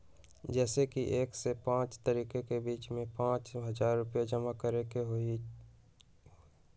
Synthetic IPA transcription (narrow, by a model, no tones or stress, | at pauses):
d͡ʒɛːsekiʔeːksepãːt͡ʃt̪əɾiːkekebiːt͡ʃmẽpãːt͡ʃɦəd͡ʒaːɾːʊpijad͡ʒəmakəɾekeɦoi